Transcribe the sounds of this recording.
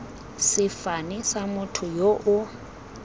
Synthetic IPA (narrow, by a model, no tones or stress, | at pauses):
sɪfanɪsamʊtʰʊjoʔʊ